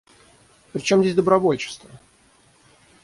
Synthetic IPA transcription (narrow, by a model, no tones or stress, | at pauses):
pɾʲɪt͡ɕo̞mzʲesʲd̪əbɾɐvo̞lʲt͡ɕɪ̥st̪və